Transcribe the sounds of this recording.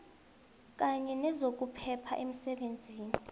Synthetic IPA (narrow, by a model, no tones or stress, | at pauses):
k̬aɲɛnɛzok̬upʰɛpʰa̰ʔem̩sɛɓend͡zʱiːni